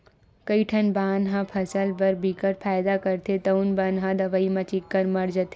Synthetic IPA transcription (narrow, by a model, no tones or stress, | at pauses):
kɐiʈʰɐnbaːnɦãpʰɐsəlbɐɾbʱikəɾpʰaːjd̪akɐɾt̪ʰet̪ɐunbɐnɦãd̪ɐʋaːimãt͡ʃɪkːəɾmɐɽd͡ʒət̪e